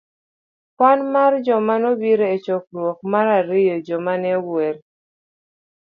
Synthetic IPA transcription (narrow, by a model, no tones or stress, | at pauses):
kwanmard͡ʒɔmanɔbiɾeet͡ʃɔk̚ɾwɔk̚maɾaɾɪjɔd͡ʒɔmanɛweɾ